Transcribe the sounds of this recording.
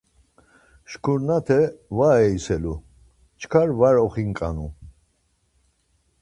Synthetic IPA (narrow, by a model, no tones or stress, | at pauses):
ʃkʰuɾnat̪ʰɛvaɛisɛlu | t͡ʃʰkʰaɾvaɾɔχiŋkʼanu